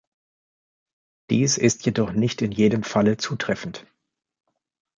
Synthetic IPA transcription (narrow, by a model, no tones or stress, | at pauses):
d̥iːsɪstʰjedɔχnɪçtɪnjeːɾəmfalət͡suːtʁ̥ɛfn̩t